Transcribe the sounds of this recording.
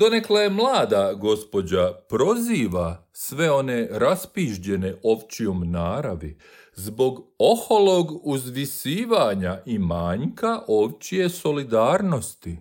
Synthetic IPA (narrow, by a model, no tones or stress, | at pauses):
d̪o̞neklejemlˠaːd̪aɡo̞spo̞d͡ʑapɾo̞ziːʋa | sʋe̞o̞ne̞ɾaspiːʒd͡ʑe̞ne̞ʔo̞ʋt͡ɕiomnaːɾaʋi | zbo̞ɡo̞holo̞ɡuzʋisiːʋaɲaʔimaːɲkaʔo̞ʋt͡ɕije̞so̞lid̪aːɾno̞st̪i